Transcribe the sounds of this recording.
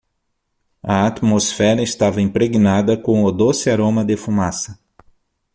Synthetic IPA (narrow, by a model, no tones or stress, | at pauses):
ɐat̪mosfɛɾɐɪst̪avɐĩpɾeɡinad̪ɐkõʊd̪osɪaɾõmɐd̪efumasɐ